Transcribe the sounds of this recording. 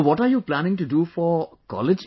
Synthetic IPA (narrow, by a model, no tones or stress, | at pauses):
ʋɔʈaɾjuːplænɪ̃ŋʈuɖuːfɔkɔ̰lɪd͡ʒ